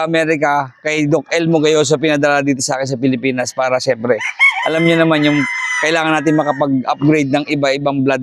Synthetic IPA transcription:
ʔɐmɛːɾɪkɐkɐjd̪ok̚ʔɛlmoɡɐjos̬ɐp̬ɪnɐd̪ɐlad̪iːt̪o̞sɐʔaːkɪns̬ɐpɪlɪpiːnɐspaːɾɐʃɛmpɾɛʔɐlamɲonɐmanjʊŋkɐʔɪlaːŋɐnːaːt̪̬ɪŋmɐkɐpɐɡ̚ʔɐ̰p̚ɡɾejd̪̚nɐŋʔɪbaʔɪbaŋblad̪̚

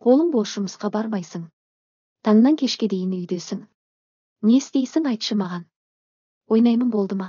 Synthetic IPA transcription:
qʰo̞lˠəɴboʒ̥ʊməsqɑbɑɾmɑjsəɴ | t̪ʰɑɴənɑŋkʲʰe̞ʃkʲe̞d̪e̞jɪnʏjd̪e̞sɪŋ | ne̞ɪst̪e̞jsɪŋɑjt̪ʃəmɑʁɑn | wo̞jnɑjmənbo̞lˠd̪əmɑ

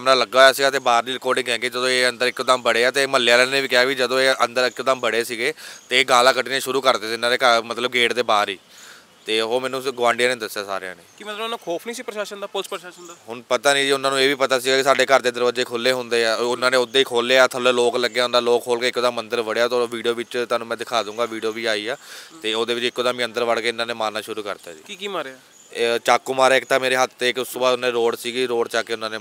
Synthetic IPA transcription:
əmnãːləɡːaːaːsiːɡaːt̪eːbaːɾdiːɾɪkoːɖɪ̃kɦɛ̃ːkid͡ʒəd̪õːeːənd̪əɾɪkd̪aːmbəɽeːaːt̪eːməlːjaːlɛːnẽːʋiːkɪaːʋiːd͡ʒəd̪õːeːənd̪əɾɪkːd̪aːmbəɽeːsiːɡeːt̪eːɡaːlãːkəʈiːnẽːʃʊɾuːkəɾd̪eːsɪnãːd̪eːkəɾmət̪ləb̚ɡeːʈd̪eːbaːɾiː | t̪eːɦoːmɛ̃ːnũːɡʋãːɳɖɪjãːnẽːd̪əsːjaːsa̰ːɾɪã̰ːneːkimət̪lbnãkʰoːpʰnĩːsiːpɾʃaːʃənd̪aːpʊlspɾəʃaːʃənd̪aːɦʊɳpət̪aːnĩːd͡ʒiːʊnːãːnũːeːʋiːpət̪aːsiːɡaːkɪsaːɖeːkəɾd̪eːd̪əɾʋəd͡ʒeːkʰoːleːɦʊnd̪eːaːʊnãːnẽːʊd̪ːeːiːkʰoːleːaːt̪ʰəloːloːkləɡːeːɦʊ̃nd̪aːloːkʰːoːlkeːkːod̪aːmənd̪əɾʋəɽjaːt̪oːʋiːɖijoːʋɪt͡ʃt̪aːnũːmɛ̃ːd̪ɪkʰaːd̪ũːŋɡaːʋiːɖijoːʋiːaːiːaːt̪eːoːd̪eːʋɪt͡ʃɪkːod̪aːmĩːə̃nd̪əɾʋəɽkeːɪnãːneːmaːnaːʃʊɾuːkə̰ɾd̪a̰ːd͡ʒiːkikiːmaːɾaː | t͡ʃaːkːoːmaːɾaːɪkt̪aːmeːɾeːɦət̪ʰːeːɪkʊst̪oːbaːd̪ʊnãːneːɾoːɽsiːɡiɾoːɽt͡ʃaːkeːʊnːãːneː

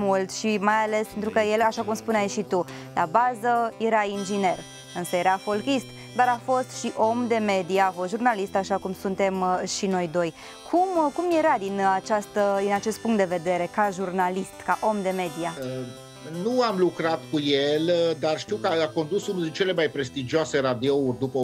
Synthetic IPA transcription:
mult̪ʃimajale̞spe̞nt̪ɾukəje̞laʃakumspuneajʃit̪u | labazəje̞ɾaind͡ʒine̞r | ɨnsəje̞ɾafo̞lkist̪ | d̪aɾafo̞st̪ʃiʔo̞md̪e̞me̞d̪iaːfost̪ʒurnalist̪aʃakumsunt̪e̞mʃino̞jd̪o̞j | kʰumkumjeɾad̪inat͡ʃast̪əd̪inat͡ʃe̞st̪puŋkt̪d̪e̞ve̞d̪e̞ɾe̞kaʒurnalist̪kaʔo̞md̪e̞me̞d̪iaə | nuamlukɾat̪kujeld̪arʃt̪iwkəaako̞nd̪usunɨnt͡ʃe̞le̞majpɾe̞st̪id͡ʒiase̞ɾad̪iourʲd̪upə

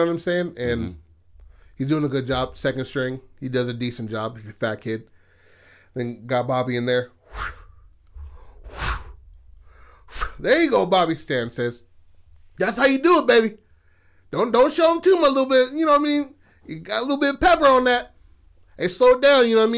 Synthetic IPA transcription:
ə̃nɨ̃mseɪ̃nɨ̃n | hizdʉɪ̃ŋɨɡʊd̚d͡ʒɑb̥sɛkɨ̃n̥dstɹ̥ɪ̃ŋidʌzɨdisn̩d͡ʒɑb̚izɨθækʰɪd̚ | ðɨ̃nɡɑt̚b̥ɑbiɨ̃nðə˞ | ðə̃iɡoʊbɑbistæ̃nsɛz̥ | ðætshaʊjɨdəːt̚b̥eɪbi | d̥õʊ̃nd̥õʊ̃ntʃoʊə̃mtʰʉmaɪlɪɾl̩ˠbɪt̚jɨnoʊaɪmĩn | jɨɡɑɾəlɪɾl̩ˠbɪɾʌv̥pʰɛpə˞ə̃nðæt̚ | ɨsloʊdãʊ̃njɨnoʊaɪmĩ

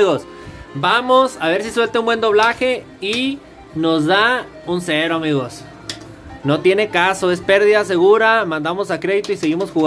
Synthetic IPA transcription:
ɣos | bamosaβe̞ɾsiswe̞lt̪eumbwe̞nd̪o̞β̞laxe̞ | i | no̞zða | unseɾoamiɣo̞s | no̞t̪je̞ne̞kaso̞e̞spe̞ɾðiðas̬e̞ɣuɾamãnd̪amo̞sakɾe̞ðit̪oise̞ɣimo̞sxuɣ

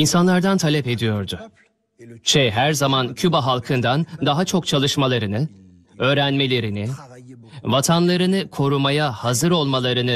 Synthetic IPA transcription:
insanlˠaɾd̪ant̪ʰalʲɛpe̞d̪ijo̞ɾd̪ʊ | t͡ʃʰɛɦæɾzamancʰybaɦalˠkʰɯnd̪and̪aɦat͡ʃʰo̞k̚t͡ʃʰalˠɯʃmalˠaɾɯnɯ | ø̞ːɾænme̞lʲe̞ɾinɪ | vat̪ʰanlˠaɾɯnɯkʰo̞ɾumajahazɯɾo̞lˠmalˠaɾɯnɯ

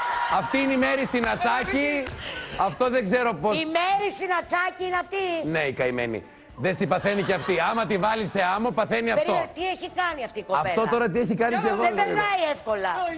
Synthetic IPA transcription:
ɐft̪iineime̞ɾisinɐt͡sɐci | ɐft̪o̞ðeɡze̞ɾo̞posimeɾisinɐt͡sɐciineɐft̪ineikɐimḛnḭ | ðest̪ipɐθe̞niceɐft̪iɐmɐt̪ivɐliseɐmopɐθe̞niɐtɾo̞t̪ieçikɐniɐft̪ikoɐfo̞t̪o̞ɾɐt̪ieçikɐniceɣoebenɐiefko̞lɐ

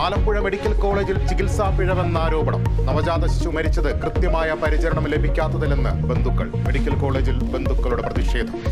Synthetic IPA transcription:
aːlɐmbuɻɐme̞ɽikʲːɐlko̞ːɭe̞ːd͡ʑilt͡ɕikilsaːfiɻɐʋe̞nːaːɾo̞ːbɐɳɐmnɐmɐd͡ʑaːd̪ɐɕt͡ɕːumɐɾit͡ɕːɐðɨkrɨt̪jɐmaːjɐpɐɾit͡ɕɐɾɐɳɐmle̞bʱikʲːaːt̪ːɐðile̞nːɨ̰be̞nd̪ʱukːɐ̰ɭme̞ɽikʲːɐlko̞ːɭe̞ːd͡ʑilbe̞nd̪ʱukːɐɭuɽe̞prɐðiʂe̞ːd̪ʱɐm

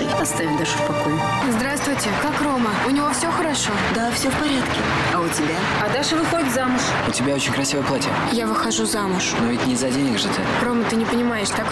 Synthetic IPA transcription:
t̪ɨɐst̪avʲɪmʲd̪aʐɨfpɐkojʊ | zd̪ɾast̪vʊjtʲɪkakro̞məʊnʲɪvofsʲoxəɾɐʂo̞d̪afsʲofpɐɾʲat̪kʲɪ | ɐʊtʲɪbʲa | ɐd̪aʂɨvɨxodʲɪt̪zamʊʂ | ʊtʲɪbʲao̞t͡ɕɪnʲkɾɐsʲivəjplˠatʲɪ | javɨxɐʐuzamʊʂnovʲɪtʲnʲɪzɐdʲenʲɪkʐɨt̪ɨ̰ | ɾo̞mət̪ɨnʲɪpənʲɪmajɪʂt̪ak

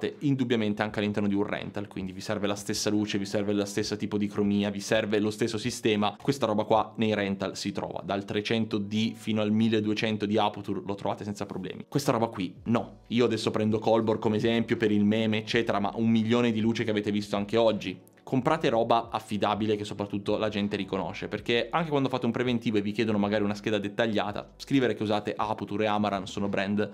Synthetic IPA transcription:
t̪eind̪ubjament̪eaŋkealːint̪ɛrnod̪iurrɛ̰nt̪alkwind̪ivisɛrvelast̪esːaluːt͡ʃevisɛrvelast̪esːat̪iːpod̪ikɾomiːavisɛrvelost̪esːosist̪ɛːmakwest̪aɾɔːbakwanejɾɛnt̪alsit̪ɾɔ̰ːva̰d̪alt̪ɾet͡ʃɛnt̪od̪ifiːnoalmilːed̪uet͡ʃɛnt̪od̪iaplt̪urlot̪ɾovaːt̪esɛnt̪sapɾoblɛ̰ːmḭkwest̪aɾɔːbakwinɔ | iːoad̪ɛsːopɾɛnd̪okɔlborkomeːzɛmpjopeɾilmɛːmeːt͡ʃːɛːt̪eɾama̰ʔumːiʎːoːned̪iluːt͡ʃekeaveːt̪evist̪oaŋkeɔd͡ʒːi | kʰompɾaːt̪eɾɔːbaafːid̪aːbilek̟esːopɾat̪ːut̪ːolad͡ʒɛnt̪eɾikono̰ʃːeperkeaŋkekwand̪ofaːt̪eumpɾevent̪iːvoevikjɛːd̪onomaɡaːɾiunask̟eːd̪ad̪et̪ːaʎːa̰ːt̪a̰skɾiːveɾekeuzaːt̪eʔaplt̪uɾeamaɾansoːnobɾɛnd̪

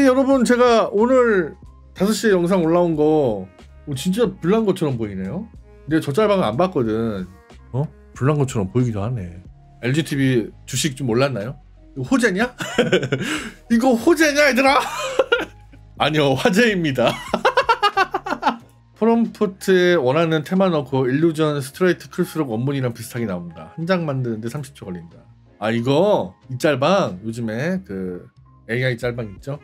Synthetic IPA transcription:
ijʌɾʌbɯnt͡ɕe̞ɡaonɯɾ | tasʰʌɕ͈iejʌŋsʰaŋoɭːaonɡʌ | t͡ɕint͡ɕ͈apuɭːanɡʌt͡ɕʰʌɾʌmpoine̞jo | ndet͡ɕʌt͡ɕ͈aɭbaŋɯa̰nbak͈ʌdɯn | ʌ | puɭːanɡʌt͡ɕʰʌɾʌmpoiɡidohanḛ | e̞ɭd͡ʑitʰibit͡ɕuɕʰik̚t͡ɕ͈omːoɭːanːajo | iɡʌɸod͡ʑe̞ɲa | iɡʌɸod͡ʑe̞ɲaidɯɾa | ɲioɸwad͡ʑeimɲida | pʰɯɾʌmpʰotʰɯewʌnɦanɯntʰe̞manʌkʰoiʎːud͡ʑʌns̬ʰɯ̥tʰɯɾeitʰɯ̥kʰɯɯɭs͈ɯɾoɡʌmːuɲiɾanpis̬ʰɯ̥tʰaɡinaomɲida̰hand͡ʑaŋmandɯnɯnde̞sʰamɕʰi̥p̚t͡ɕʰoɡʌʎːinida | aiɡʌit͡ɕ͈aɭbaŋjod͡ʑɯme̞kɯ | eiait͡ɕ͈aɭbaŋik̚t͡ɕ͈o

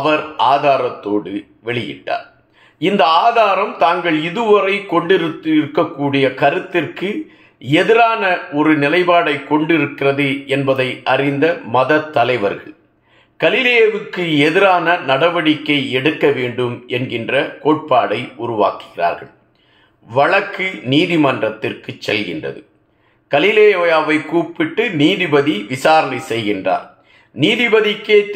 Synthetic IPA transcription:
ɐʋɐɾaːðaːɾɐt̪ːoːɽɯ | ʋɛɭɪjɪ̰ʈːa̰ːɾ | ɪnd̪ɐaːðaːɾɐmt̪aːŋɡɐɭɪðɯʋɐɾɐɪkːɔɳɖɪɾɯt̪ːɪɾɯkːɐkːuːɽɪjɐkɐɾɯt̪ːɪrkɯ | ɛðɪɾaːnɐɔɾɯnɪlɐɪbaːɽɐɪkːɔɳɖɪɾɯkːɪrɐðɯʔɛnbɐðɐɪʔɐrɪnd̪ɐmɐðɐt̪ːɐlɐɪʋɐ̰ɾɣɐɭ | ɡ̥ɐlɪlɪjeːʋɯkːɯɛðɪɾaːnɐnɐɽɐbɐɽɪkːɐɪɛɽɯkːɐʋeːɳɖɯmʔɛnɡɪndrɐkoːʈ̚paːɽɐɪʔʊɾʊʋa̰ːkɯ̥ɣɪra̰ːɾɣɐ̰ɭ | ʋɐɭɐkːɯniːðɪmɐndrɐt̪ːɪrkɯt͡ʃːɛlɣɪndrɐ̰ðɯ | kɐlɪleːoːjaːʋɐɪkuːpːɪʈːɯniːðɪbɐðiʋɪsaːɾɐnɐɪsɛjɣɪndra̰ːɾ | niːðɪbɐðɪkːeːt̪

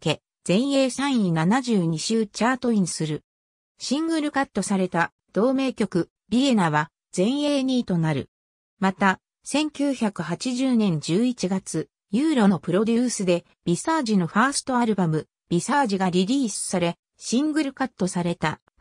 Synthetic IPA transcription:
ke̞ | z̥ẽ̞ɰ̃je̞ːsãɰ̃ĩnanaʑɨːɲ̟iɕɨːt͡ɕaːt̪o̞ĩɰ̃sɨɾɯ | ɕĩŋɡɯ̟ɾɯ̟kat̪ːo̞saɾe̞t̪a | d̪̥o̞ːme̞ːkʲo̞kɯ̟ | bʲiɡe̞naβ̞a | z̥ẽ̞ɰ̃e̞ːɲiːt̪o̞naɾɯ̟̰ | mat̪a | sẽ̞ŋkʲɨːçakɯ̟ɦat͡ɕiʑɨːnẽ̞ɲ̟d͡ʑɨːit͡ɕiɡat͡sɨ | jɯːɾo̞no̞pɯ̟ɾo̞d̪ʲɨːsɨd̪e̞ | b̥ʲisaːʑino̞ɸaːsɨ̥t̪o̞aɾɯ̟bamɯ̟ | b̥ʲisaːʑiɡaɾʲiɾʲiːsɨ̥saɾe̞ | ɕĩŋɡɯ̟ɾɯ̟kat̪ːo̞saɾe̞t̪a

